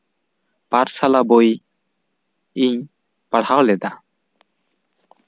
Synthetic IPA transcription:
paɾsalaboj | iɲ | paɽhawlɛd̪a

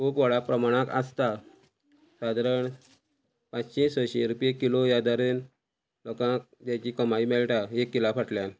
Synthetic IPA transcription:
kʰupʋəɭapɾəmaɽ̃ãkast̪a | sad̪ɾəɳ | pãt͡st͡ɕĩsʋəɕiɾupjekːilojad̪aɾen | lɔkãk̚d͡ʑat͡ɕikəmaimɛlʈaekːilapʰəʈljan

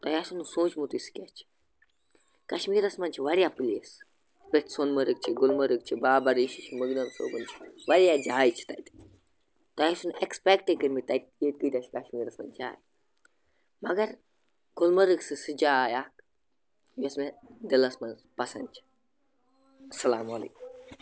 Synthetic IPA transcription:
t̪ɐjasunusõːt͡ʃmut̪usɨ̥kʲat͡ʃʰi̥ | kɐʃmiːɾɐsmɐnʲt͡ʃʰiʋɐɾʲjapɨles | peʈsonmɐɾɨk̚t͡ʃʰiɡolmɐɾɨk̚t͡ʃʰibaːbɐɾiʃit͡ʃʰməɡnɐmso̰ːbɨnt͡ʃʰi̥ʋɐɾʲjad͡ʒaːjt͡ʃʰi̥t̪ɐ̰jt̪i̥ | t̪ɐjisunekspek̚ʈekɨɾmit̪ɐt̪jet̪̚kɨt̪ʲat͡ʃʰkɐʃmiːɾɐsmɐ̰nt͡ʃʰa̰ːj | mɐɡɐɾ | ɡ̥olmɐɾɨksɨsɨd͡ʒaːjaːk | josmed̪ilɐsmɐn | pɐsɐnt͡ʃʰi̥ | ɐsɐlaːmɐlɐ̰k

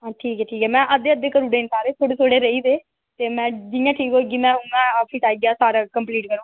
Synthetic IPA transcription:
ɦãːʈʰiːkɛːʈʰiːkɛːmɛ̃ːʔəd̪eːəd̪eːkəɾuːɖẽːnsaːɾeːt̪ʰoːɽeːt̪ʰoːɽeːɾəiːd̪eː | t̪eːmɛ̃ːd͡ʒɪãːʈʰiːkoːɡiːmɛ̃ːɦʊŋãːaːiʈaːiːɡjaːsaːɾaːkəmpliːʈkəɾõː

